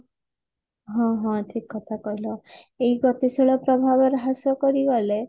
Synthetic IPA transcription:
ɦɔ̃ɦɔ̃ʈʰikːɔt̪ʰakɔɦilɔeɦiɡɔt̪isiɭɔpɾɔbʱabɔɾeɦasɔkɔɾiɡɔle

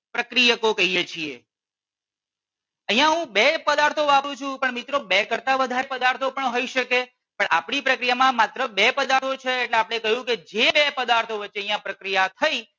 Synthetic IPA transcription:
pɾəkɾijəkokəɦijet͡ʃʰiḛ | əɦijãɦũbepəd̪aɾt̪ʰoaʋũt͡ʃʰũpəɳmɪt̪ɾobekəɾt̪aʋəd̪ʱaɾepəd̪aɾt̪ʰopəɳɦoiʃəke | pəɳʔa̰pɳipɾəkɾijamãmat̪ɾəbepəd̪aɾt̪ʰot͡ʃʰeːʈleapɽ̃ekəɦjũked͡ʒebepəd̪aɾt̪ʰoʋət͡ʃːeəɦjãpɾəkɾijat̪ʰəi

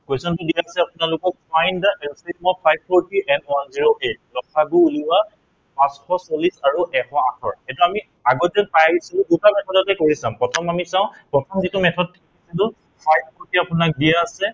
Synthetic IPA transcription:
kwesɔntudijasɛapʊnalʊkɔk̚pajndaɛnsitmɔpʰajb̚pʰɔɹtiʔɛnwanziɹoʔet̚lɔkʰaɡuuliwa | pãsxɔsolisaɹuʔɛxɔatʰɔ̰ɹxɛtuami | aɡɔtɔnpajaɡisilʊ̃dutamɛtʰɔdɔtɛkoɹisãmpɹɔtʰɔmamisãʊ̃pɹɔtʰɔmzitumɛtʰɔt̚tʰikisilʊ̃ | pʰajb̚pʰːɔɹtiapʊnak̚dijaːsɛ

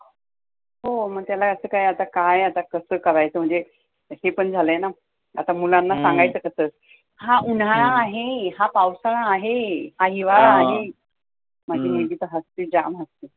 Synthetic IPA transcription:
ɦoməɡ̚t̪jalaəsəːkajat̪akajat̪akəsəːkəɾajt͡səm̤əɳd͡ze | hepəɳd͡zʱaləjena | a̰t̪amulanːasaŋɡajt͡səːkəsəːt͡s | haʔunaɭãːɦeɦapawsaɭ̃ãːɦeɦaɦiʋaɭãːɦe | m̤əɳd͡ʑeneɡiːt̪əɦəst̪iːd͡ʑamɦəst̪iː

